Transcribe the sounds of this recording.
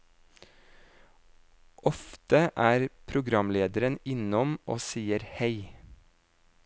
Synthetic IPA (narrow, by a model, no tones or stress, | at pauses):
ʔɔft̪əʔæːɾpʰɾʊɡɾɑmleːd̪əɾənɪnɔmʔoːsiːəɾheɪ